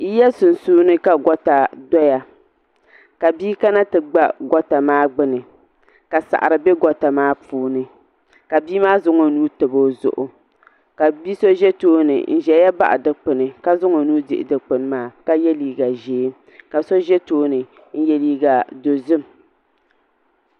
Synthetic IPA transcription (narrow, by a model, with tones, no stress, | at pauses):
i˦jɛ˦sʊ˨n˨suː˦nɨ˦ka˦ɡɔ˦ta˨dɔ˦ja˨ | ka˨biː˦ka˦na˦tɨ˨ɡ͡ba̰˦ɡɔ˦ta˨maː˦ɡ͡bɨ˦nɨ˨ | ka˨sa̰˨ʔa˨ɾɨ˨bɛ˦ɡɔ˨ta˨maː˦puː˦nɨ˦ | ka˨biː˦maː˦zʊ˦ŋo˨nuː˦tɨ˨bo˦zʊ̰˨ʔʊ˨ | ka˨bi˦so˦ʒɛ˦toː˦nɨ̰˨n̩˦ʒɛ˨˦ja˦ba̰˦ʔa˨dɨ˨˦k͡pɨ˨nɨ˨ka˦zʊ˦ŋo˨˦nuː˦dɪ˨ʔɪ˨dɨ˨k͡pɨ˨n˦maː˦ka˦jɛ˦liː˦ɡa˨ʒeː˨˦ | ka˨so˦ʒɛ˦toː˦nɨ˨ | n̩˦jɛ˦liː˦ɡa˨do˨zɨ˦˨m˨